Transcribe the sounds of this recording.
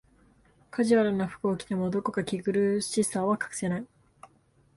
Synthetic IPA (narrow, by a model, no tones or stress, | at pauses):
kʰaʑiβaɾɯnaɸɯ̟̥ko̞ːkʲi̥t̪emod̪o̞ko̞kakʲiɡɯ̟ɾɯ̟ɕisaːβakḁkɯ̟̥se̞nai